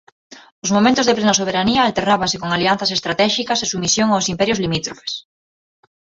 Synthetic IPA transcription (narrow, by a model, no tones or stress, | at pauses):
ʊzmomẽnt̪ʊzðeplenas̬oβ̞eɾaniɐːlt̪ernaβasekoŋalian̟θɐs̬est̪ɾat̪ɛʃikɐsesumisjoŋawsimpɛɾjozlimit̪ɾofe̥s